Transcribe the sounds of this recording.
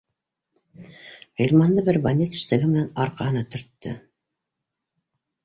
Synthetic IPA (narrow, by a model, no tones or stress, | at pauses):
ʁilʲmɑnd̪ɤbɘɾbanʲet̪ɘ̥̆ʃt̪æɡɘmɘ̆nænɑɾqɑhɤ̆nɑt̪ɵ̆ɾt̪ːɵ̰